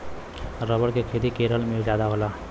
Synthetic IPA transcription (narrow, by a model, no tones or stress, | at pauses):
ɾəbəɽkekʰet̪ikeɾəlmed͡ʒjad̪aɦola